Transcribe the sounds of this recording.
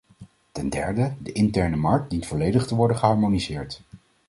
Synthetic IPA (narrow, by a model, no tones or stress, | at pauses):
tɛndɛ̰ɹdədəʔɪntɛɹnəmɑɹk̚dintfɔlejdəχtəʋɔɹdəχəɦɑɹmonizɪːɹt